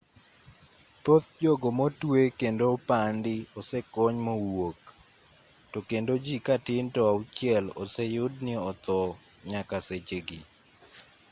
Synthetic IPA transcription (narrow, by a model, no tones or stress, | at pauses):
t̪ot̪̚d͡ʒoɡomotwekendopandɪɔsɛkɔɲmowok | tokendod͡ʒikatɪntɔaʊt͡ʃɪɛlɔsɛjʊdnɪɔt̪ɔ | ɲakaset͡ʃeɡɪ